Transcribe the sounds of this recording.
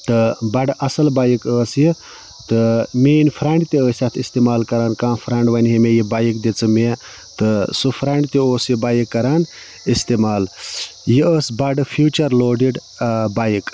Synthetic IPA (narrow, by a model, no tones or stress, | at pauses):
t̪ɨbɐɖʔɐsɐlbaːjikəːsji | t̪ɨmiːnpʰɾaɳɖt̪eəːsʲat̪ʰist̪eːmaːlkɐɾaːnkãːpʰɾɐɳɖʋɐnɦemejibajikd̪et͡sɨme | t̪ɨsɨpʰɾaɳɖt̪eoːsjibaːjikːɐɾaːn | ist̪emaːljiəːsbɐɖɨpʰjuːt͡ʃɐɾloːɖiɖ | bajik